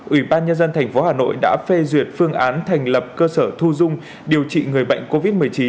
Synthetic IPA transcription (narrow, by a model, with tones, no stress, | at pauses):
ʔi˧˩ɓaː˧nɲə˧nzə˧nt̪ʰɛ˨˩jŋ̟fo˨˦haː˨˩no̰˧˨jɗa̰ː˧˥fe˧zwi˨˩ət̚fɨ˧əŋʔaː˨˦nt̪ʰa˨˩jŋ̟lə˨˩p̚kəː˧səː˧˩t̪ʰu˧zʊ˧ŋ͡m | ɗi˨˩əwt͡ɕḭ˧˨ŋɨ˨˩əjɓə̰˧˨jŋ̟ko˧vi˦˥t̚mɨ˨˩əjt͡ɕi˨˦